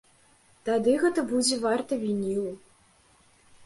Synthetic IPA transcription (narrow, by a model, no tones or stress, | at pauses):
t̪ad̪ɨɣɛt̪ɐbud͡zʲɛvart̪ɐvʲinʲiw